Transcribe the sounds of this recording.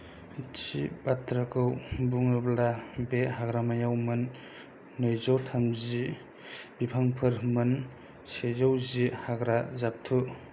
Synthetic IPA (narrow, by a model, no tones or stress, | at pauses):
t͡ʃʰibatʰɾakʰɯwbuŋɯblabeɦaɡɾamajawmɯnː | ɯjzɔwtʰamzi | bipʰaŋpʰɯɾmɯn | sezawzihaɡɾazap̚tʰu